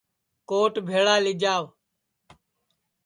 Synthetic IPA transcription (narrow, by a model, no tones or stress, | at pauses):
koːʈbʱeːɭaːlɪd͡ʒaːʋ